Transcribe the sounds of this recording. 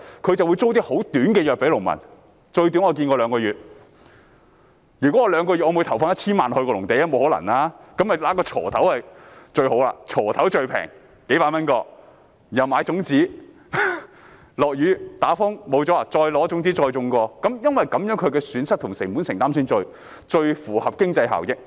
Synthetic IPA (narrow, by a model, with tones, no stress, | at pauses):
kʰɵ˨˧ɥt͡sɐ˨wu˨˧jt͡so˥wt̪iː˥ho˨˥wt̪yː˨˥nkɛː˧jœː˨k̚pe˨˥lʊ˨˩ŋmɐ̰˨˩n | t͡ʃɵ˧ɥt̪yː˨˥nŋɔː˧k̬iː˧nkɔ˧lœː˨˧ŋkɔː˧ɥyː˨˩t̚ | jyː˨˩kɔ˨˦˥ɔː˧lœː˨˧ŋkɔː˧y˨t̚ɔː˧mu˨˧jt̪ʰɐ˨˩wfaː˧nɐ˥t͡sʰiː˥nmaː˨nhɵ˧ɥkɔ˧lʊ˨˩ŋt̪e˨˧jɐ˥mo˨˧who˨˥wlɐ̰˨˩naː˧kɐ˨˥mhɐ˨jlaː˨˥kɔː˧t͡ʃʰɔ̰ː˨˩t̪ʰɐ˨˥whɐ˨jt͡ʃɵ˧ɥho˨˥wla̰ː˧t͡ʃʰɔː˨˩t̪ʰɐ˨˥wt͡ʃɵ˧ɥpʰɛ̰ː˨˩ŋ | ke˨˥jpaː˧mɐ˥nkɔː˧ | jɐ˨˩wmaː˨˧˥jt͡sʊ˨˥ŋt͡siː˨˥ | lɔː˨k̚jyː˨˥t̪aː˨˥fʊ˥ŋmo˨˧wt͡sɔː˨˥a˨˧t͡ʃɔː˧jlɔː˨˥t͡sʊ˨˥ŋt͡siː˨˥t͡ʃɔː˧jt͡sʊ˧ŋkɔː˧kɐ˨˥mjɐ˥nwɐ˨jkɐ˨˧mjœː˨˥ŋkʰɵ˨˧ɥkɛː˧syː˨˥nsɐ˥t̚t̪ʰʊ˨˩ŋsɪ˨˩ŋmu˨˥nsɪ˨ŋt̪aː˥msyː˧˥nt͡ʃɵ˧ɥ | t͡ʃɵ˧ɥfuː˨˩hɐ˨p̚kɪ˥ŋt͡sɐ˧jɦa̰ː˨˩wjɪ˥k̚